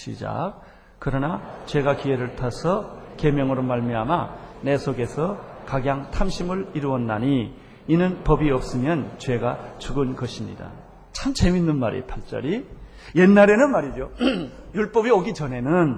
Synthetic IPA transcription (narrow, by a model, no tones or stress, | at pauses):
ɕʰḭd͡ʑa̰k̚ | kɯɾʌnat͡ɕwe̞ɡakie̞ɾɯɭtʰasʰʌke̞mjʌŋɯɾomaɭmiamane̞sʰoɡe̞sʰʌkaɡjaŋtʰamɕʰimɯɭiɾuwʌnːaɲiː | nɯnpʌbiʌp̚s͈ɯmjʌnt͡ɕwe̞ɡat͡ɕuɡɯnɡʌɕʰimɲḭda̰ | t͡ɕʰamt͡ɕeminːɯnmaɾḛpʰaɭt͡ɕ͈ʌ̰ɾi | je̞nːaɾe̞nɯnmaɾid͡ʑojuɭp͈ʌbioɡit͡ɕʌne̞nɯn